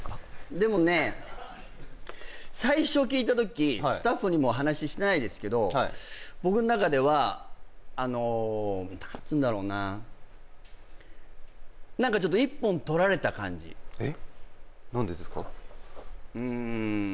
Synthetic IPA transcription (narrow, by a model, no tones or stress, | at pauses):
d̪e̞mo̞ne̞ | saiɕo̞kʲiːt̪at̪̬o̞kʲisɨ̥t̪aɸːɯ̟ɲ̟imo̞ɦanaɕiɕi̥t̪enaid̪e̞sɨ̥ke̞d̪o̞aibo̞kɯ̟no̞nakad̪e̞β̞aː | no̞nant͡sɨ̃nd̪aɾo̞ːna | nãŋkat͡ɕo̞t̪̬ːoipːõ̞nt̪o̞ɾaɾe̞t̪akã̰ɲ̟d͡ʑḭe | nãnd̪ed̪eskɑ̰ | ɯ̟̃